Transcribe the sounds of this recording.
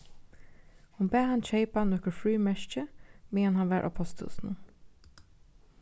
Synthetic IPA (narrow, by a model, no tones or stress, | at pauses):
hʊnbæːhɑnʃeɪpanɔkəɹfɹyːmɛʃt͡ʃəmiːɛnhɑnʋæːɹʔa̰pʰɔst̪ʰṵsn